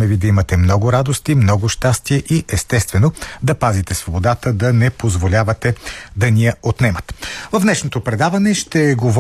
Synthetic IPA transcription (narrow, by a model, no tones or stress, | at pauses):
mɛvid̪ɐimɐt̪ɛmnɔɡʊɾad̪ost̪imnɔɡʊʃt̪ast̪iɛʔiʔɛst̪ɛst̪vɛnod̪ɐpazit̪ɛsvobod̪at̪əd̪ɐnɛpozvolʲavɐt̪ɛd̪ɐnijɐot̪nɛmət̪vɐfnɛʃnot̪opɾɛd̪avɐnɛʃt̪ɛːɡov